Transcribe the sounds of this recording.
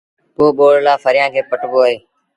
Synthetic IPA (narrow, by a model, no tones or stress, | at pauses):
pːoːɓoːɽlaːfəɾɪjãːkʰeːpəʈboːəɦeː